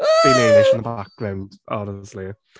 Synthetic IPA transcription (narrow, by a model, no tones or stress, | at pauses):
b̥ɪleːnɪʃnðəbak̚ɡ̥ɹãʊ̃nd̥ɔnəsli